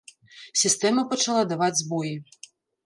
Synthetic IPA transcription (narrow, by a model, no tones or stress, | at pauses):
sʲist̪ɛmɐpɐt͡ʂalˠad̪avad͡zʲzbɔji